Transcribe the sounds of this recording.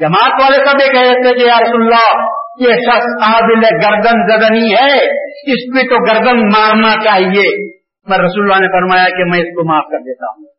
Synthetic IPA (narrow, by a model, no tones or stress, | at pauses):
d͡ʒɐmaːt̪ʋaːlesɐbekɛɦet̪ʰekejaːɾɐsuːləlːa | jeʃɐxsaːbɪlɦɛɡɐɾd̪ənzɐd̪əniɦɛːɪskit̪oɡɐɾd̪ənmaːɾnat͡ʃaːɦie | mɛɾɐsuːləlːanefɐɾmaːjakemɛ̃ːɪskomaːfkɐɾd̪eːt̪a̰ːɦũː